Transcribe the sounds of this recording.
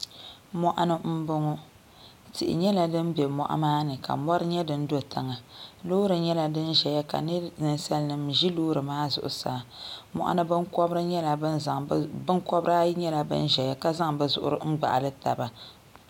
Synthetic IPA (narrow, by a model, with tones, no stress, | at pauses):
mɔ˦ʔa˦nɨ˦m̩˦bʊ˦ŋʊ˦ | tɪ̰˨ʔɪ̰˨ɲɛ˦la˨dɨ˦nbɛ˨mɔ̰˨ʔa̰˦maː˦nɨ˨ka̰˨mɔ˦ɾɨ˦ɲɛ˦dɨ˦n̩˦do˦tʰa˨ŋa˨loː˦ɾɨ˨ɲɛ˦la˨dɨ˦nʒɛ˨ja˦ka̰˨nɨ˦nɨ˦n˦sa˦lnɨ˨mʒi˦loː˦ɾɨ˨maː˦zʊ̰˨ʔʊ̰˨sa̰˨mɔ˨ʔa̰˦nɨ˦bɨ˦ŋkɔ˦bɾɨ˦ɲɛ˦la˨˦˨bɨ˦ŋkɔ˦bɾa˦ɲɛ˦la˨bɨ̰˦n˦ʒɛ˨ja˦ka˦za˦ŋbɨ˨zʊ̰˨ʔʊ̰˦ɾɨ˦ŋ͡m̩˦ɡ͡ba̰˨ʔa̰˨lɨ˦ta̰˨ba˨